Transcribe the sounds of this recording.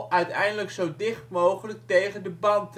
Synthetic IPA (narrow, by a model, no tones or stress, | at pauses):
œɥtɛjndələksowdɪχtmowχələk̚tejχəndəbɑnt